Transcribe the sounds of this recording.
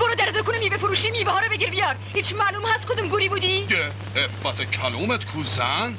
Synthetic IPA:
boɾɔd̪æɾd̪ekʰunemiːvefoɾuːʃimivɛhɒːɾɔbeɡiɾbijɒːɾhiːt͡ʃʰmæːlumhæst̪kʰod̪umɡuɾiːbud̪ije | efːæt̪ʰecʰæluːmet̪kʰuːzæn

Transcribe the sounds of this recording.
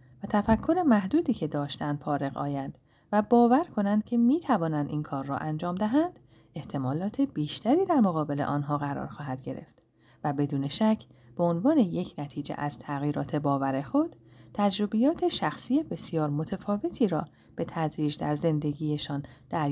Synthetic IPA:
væt̪ʰæfækʰːo̞ɾe̞mæhd̪uːd̪iːcʰe̞d̪ɒːʃt̪ænd̪̥fɒːɾe̞ɣɒ̰ːjænd̪̥ | væbɒːvæɾkʰo̞nænd̪̥̚cʰe̞miːt̪ʰævɒːnænd̪iːnkʰɒːrːɒ̰ʔænd͡ʒɒːmd̪æɦænd̪̥ | e̞ht̪ʰe̞mɒːlɒːt̪ʰe̞biːʃt̪æɾiːd̪æɾmoɣɒːbe̞le̞ʔɒːnɦɒːɣæɾɒ̰ːɾxɒːɦæd̪̥ɟe̞ɾe̞̰ft̪ | væbe̞d̪uːne̞ʃæcʰ | b̥eonvɒːne̞je̞cʰnæt̪ʰiːd͡ʒḛʔæz̥t̪ʰæɣiːɾɒ̰ːt̪ʰe̞bɒːvæɾe̞xo̞d̪̥t̪ʰːæd͡ʒɾo̞bejɒːt̪ʰe̞ʃæxsiːje̞be̞sjɒːɾmo̞t̪ʰefɒːve̞t̪ʰiːɾɒː | b̥e̞t̪ʰæd̪ɾiːd͡ʒd̪æɾze̞nd̪e̞ɟiːje̞ʃɒːnd̪̥æɾ

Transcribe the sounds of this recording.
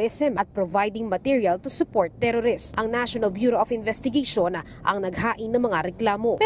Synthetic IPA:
ɛsɛmʔɐt̪̚pɾovajd̪ɪŋmɐt̪iɹiɐlt̪ʊsʊpoɹt̪ːɛɾoɾɪst̪ʔɐŋnaʃonɐlbjuːɾoɐfɪnvɛst̪ɪɡeʃon | ʔɐ̰ŋnɐɡhaːʔɪnɐŋmɐŋaɾɛklaːmo̞pɛ

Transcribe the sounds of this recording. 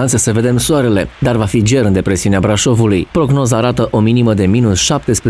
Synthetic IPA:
ant̪səsəve̞d̪e̞msuaɾe̞le̞d̪arvafid͡ʒe̞ɾɨnd̪epɾe̞siuneabɾaʃo̞vulujpɾo̞ɡno̞zaːɾat̪əʔo̞miniməd̪e̞minusʃap̚t̪e̞spɾe

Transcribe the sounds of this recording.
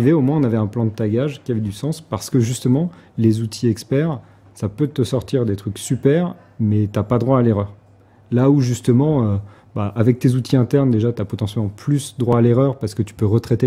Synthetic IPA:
iveomwɛ̃ɔ̃navɛɛ̃plɑ̃d̪ət̪aɡʲaʒkʲiavɛd̪ysɑ̃spaʁsə̥kəʒyst̪əmɑ̃lezut̪ʰiɛkspɛʁ | sapøt̪əsɔʁt̪iʁd̪et̪χyksypɛʁ | mɛt̪yapad̪ʁwaːleʁœːʁ | lauʒyst̪əmɑ̃ø | baʔavɛk̚t̪ezut̪ʰiɛ̃t̪ɛʁnd̪eʒat̪yapɔt̪ɑ̃sjɛlmɑ̃plysd̪ʁwaːleʁœʁpaʁsə̥kət̪y̥pøʁət̪χɛt̪e

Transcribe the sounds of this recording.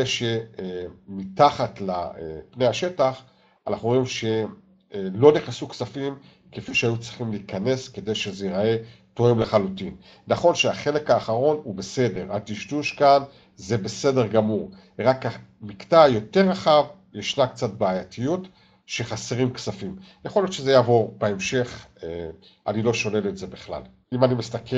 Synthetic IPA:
eʃe | mitaχatlapne̞jhaʃe̞taχ | anaχnuimʃe̞ | lo̞niχnesuksafim | kefijʃeajut͡sʁiχimliːkane̞ske̞de̞jʃe̞zeiʁae̞ | toemleχalutin | naχo̞nʃeaχe̞le̞kaːχaʁo̞nube̞se̞de̞ʁat̪iʃduʃkan | ze̞be̞se̞de̞ʁɡamuʁ | ʁakamiktajo̞te̞ʁaχav | jeʃnakt͡sat̚baajatijut | ʃe̞χaseʁimksafim | jaχo̞lijotʃezejavo̞ʁbeemʃe̞χe | ʔa̰nilo̞ʃo̞neletze̞biχla̰l | imanimistakʰe

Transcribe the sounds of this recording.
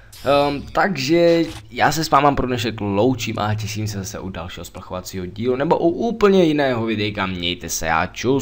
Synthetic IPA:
t̪aɡʒɛjaːsɛsvaːmampɾodnɛʃ̬ɛklowt͡ʃiːmʔa̰cɛʃiːmsɛzasɛʔuda̰lʃiːɦosplaxovat͡siːɦoɟiːlunɛboʔuʔuːpl̩ɲɛjɪnɛːɦovɪdɛjkamɲɛjt̪ɛsɛ̰ja̰ːt͡ʃu

